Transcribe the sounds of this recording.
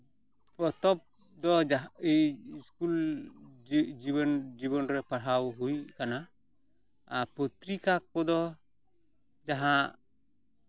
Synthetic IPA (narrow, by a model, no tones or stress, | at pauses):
pɔt̪ɔp̚ | d̪ɔaiiskul | d͡ʒibɔnd͡ʒibɔnɾɛpaɽ̤awɦujkana | put̪ɾikak̚pɔd̪ɔ | d͡ʒaɦaʔ